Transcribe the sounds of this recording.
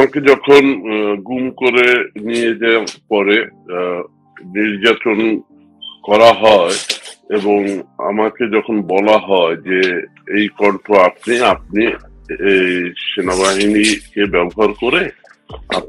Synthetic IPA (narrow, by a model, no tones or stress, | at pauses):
aked͡ʒɔkʰonɡumkoɾenijed͡ʒɛaɾpɔɾe | niɾd͡ʑaton | kɔɾaɦɔeeboŋa̰maked͡ʒɔkʰonbɔlaɦɔed͡ʑe | ejkɔɳʈʰoap̚niap̚ni | ejʃenaβaɦinikebɛboɦaɾkoɾe | a̰